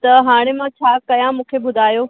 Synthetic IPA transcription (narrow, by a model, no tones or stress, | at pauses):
t̪ɐɦaːɽ̃emãt͡ɕʰaːkɐjãmũːkʰebʊd̪ʱaːjoː